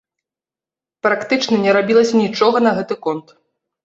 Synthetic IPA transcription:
pɾakt̪ɨt͡ʂnɐnʲɛɾabʲilˠɐsʲɐnʲit͡ʂɔɣɐnɐɣɛt̪ɨkɔnt̪

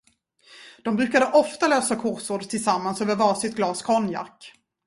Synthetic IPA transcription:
d̪̥ɔmbɾʉ̟ːkad̪əʔɔft̪aløːsakʰɔɾsuːɖt̪ʰɪlsamːansøːvəɾvɑːsɪt̪̚ɡlɑːskʰɔnja̰kː

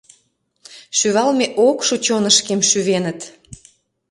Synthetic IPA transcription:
ʃyβɑlmeʔokʃut͡ɕonəʃkemʃyβenə̆t̪

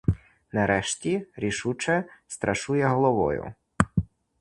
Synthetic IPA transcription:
nɐɾɛʃtʲiɾʲiʃut͡ʃɛst̪ɾɐʃujɛɦɔlˠɔʋɔ̰jʊ̰

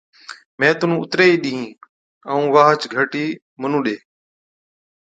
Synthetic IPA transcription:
mɛ̃ːt̪ʊnũːʊt̪ɾeːiːɗĩːɦĩː | əũːʋaːɦt͡ʃɡʱəʈiː | mənũːɗeː

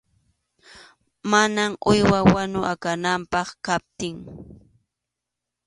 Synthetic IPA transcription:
manamʊjwawanʊʔakanampɑχkap̚t̪ɪŋ

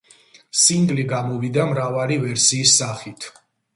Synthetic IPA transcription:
siŋɡliɡamɔvid̪amɾavaɾivɛɾsiːsːaχit̪ʰ

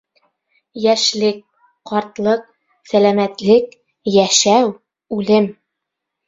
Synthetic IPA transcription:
jæʃlɘk̚ | qɒɾt̪lˠɤq̚ | sælæmæt̪lɘk | jæʃæw | ʉlɘm

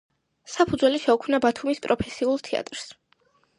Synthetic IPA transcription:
sapʰud̪zwɛliʃɛukʰmnabat̪ʰumispʼɾɔpʰɛsiulˠt̪ʰɛa̰t̪ʼɾs

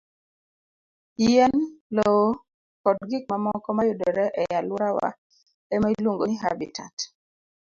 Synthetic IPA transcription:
ijɛnlo | kɔtɡik̚mamɔkɔmajʊdɔɾɛʔɛjalʊɾawa̰ | ɛmailwoŋɡoniɦa̰bḭtʰa̰t

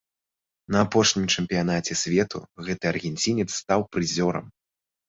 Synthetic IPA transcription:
nɐːpɔʂnʲimt͡ʂɛmʲpʲijan̪at͡sʲɛsʲvʲɛt̪ṵɣɛt̪ɨɐrɣʲɛnʲt͡sʲinʲɛt̪sːt̪awpɾɨzʲɔɾɐ̰m

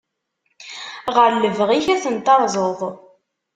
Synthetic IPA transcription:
ʁəɾlːəvʁiçæθənt̪ɑɾˤzˤoðˤ

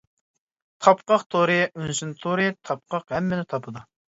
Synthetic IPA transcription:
t̪ʰɑpqɑqt̪ʰoɾɨynsynt̪ʰoɾɨt̪ʰɑp̚qʰɑqhɛmːɪnɪt̪ʰɑpʰɨd̪u

